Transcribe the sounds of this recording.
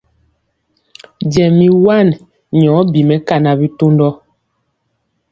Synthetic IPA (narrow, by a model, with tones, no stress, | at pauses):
d͡ʒɛ˨mi˨wa˦˨n | ɲɔː˨˦bi˨mɛ˦ka˦na˨bi˦to˦ndɔ˦